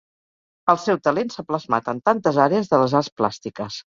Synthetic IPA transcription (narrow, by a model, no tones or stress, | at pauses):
əlˠsɛwt̪əlensapləzmat̪ənt̪ant̪əzaɾeəzðələzarspla̰st̪ikəs